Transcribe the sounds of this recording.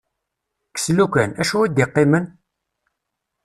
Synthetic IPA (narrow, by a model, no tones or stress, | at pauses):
kə̥slukʷænæʃuæd̪ɪqːɪmən